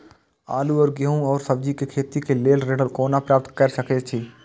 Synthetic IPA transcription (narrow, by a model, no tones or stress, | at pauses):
a̰ːluɔːɾɡəɦũɔːɾsɐbd͡ʒikekʰeːt̪ikeleːlɾeːɖəlkoːnapɾaːp̚t̪kɐɾsəket͡ʃʰiː